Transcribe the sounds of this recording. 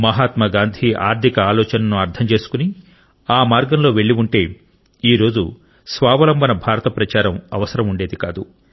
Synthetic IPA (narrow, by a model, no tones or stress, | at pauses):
mɐɦaːt̪mɐɡaːnd̪ʱiʔa̰ːɾt̪ʰikɐaːlɔːt͡ʃɐnɐnuɐɾd̪ʰɐmt͡ʃe̞ːsu̥kuni | aːmaːɾɡɐmlo̞ːʋeɭːiuɳʈe̞ː | iːɾo̞ːd͡ʒu | sʋaːʋɐlɐmbʱɐnɐbʱaːɾɐt̪ɐpɾɐt͡ʃaːɾɐmɐʋɐsɐɾɐmuɳɖe̞ːd̪ikaːd̪u